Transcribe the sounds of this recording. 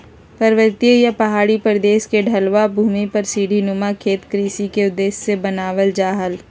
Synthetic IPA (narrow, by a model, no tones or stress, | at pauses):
pəɾʋəɾt̪ijəjapɐɦaːɽipəɾd̪eːʃkeɖʱɐlʋabʱuːmipɐɾsiːɖʱinʊmakʰeːt̪kɾiːsikeʊd̪ːeːssebɐnaːʋəld͡ʒaːɦəl